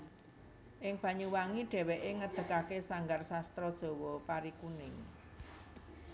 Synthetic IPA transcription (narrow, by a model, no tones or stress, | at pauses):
ʔɪŋb̥ä̤ɲuwaŋiɖ̥ɛ̤weʔeŋəd̪̥ə̤kakesaŋɡarsast̪ɾɔd̥ʒ̥o̤wɔpaɾikunɪŋ